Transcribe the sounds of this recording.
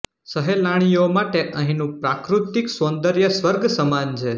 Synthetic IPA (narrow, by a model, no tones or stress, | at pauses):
səɦelaɽ̃ijomaʈeʔə̃ɦĩnũpɾakɾut̪iksõnd̪əɾjəsʋəɾɡʱsəmant͡ʃʰe